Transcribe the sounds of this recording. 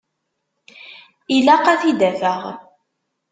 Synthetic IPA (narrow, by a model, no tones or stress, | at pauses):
ilaqæθid̪ævəʁ